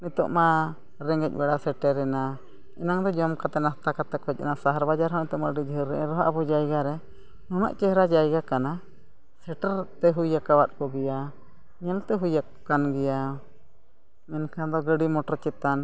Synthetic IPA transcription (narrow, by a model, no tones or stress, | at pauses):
nit̪ɔ̰ʔma | ɾɛŋɡɛc̚ˀbɛɽasɛʈɛɾɛna | ɛnaŋd̪ɔd͡ʒɔmkat̪ɛnast̪akat̪ɛkɔc̚ˀɛnasaɦaɾbad͡ʒaɾɦɔnɛt̪ɔʔmaɖid͡ʒəɦəɾːɛɛɾɔɦaʔbɔd͡ʒajɡaɾɛ | nɔna̰ʔt͡ʃɛɦɾad͡ʒajɡakana | sɛʈɛɾt̪ɛɦujakawat̪̚kɔɡɛja | ɲɛlt̪ɛɦujakː | anɡɛja | mɛnkad̪ɔɡəɖimɔʈɔɾt͡ʃɛt̪an